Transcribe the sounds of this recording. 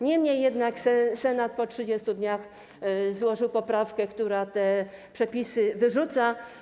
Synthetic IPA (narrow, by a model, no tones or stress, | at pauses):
ɲɛmɲejːɛd̪naksɛsɛnat̪̚pɔtʂɘd͡ʑest̪ud̪ɲax | zwɔʐɘwpɔpɾafkɛkt̪uɾat̪ɛpʂɛpʲisɘvɘʐut̪sa